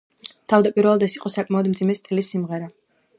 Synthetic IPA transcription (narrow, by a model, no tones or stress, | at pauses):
t̪ʰavd̪apʼiɾvɛlˠad̪ɛsiqʼɔsakʼmaɔd̪md̪zimɛst̪ʰɛlisimʁɛɾa